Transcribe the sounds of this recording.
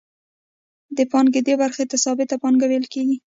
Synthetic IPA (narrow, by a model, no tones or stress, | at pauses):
d̪əpɑnɡed̪ebaɾxet̪asɑbɪt̪apɑŋɡawelkeɡi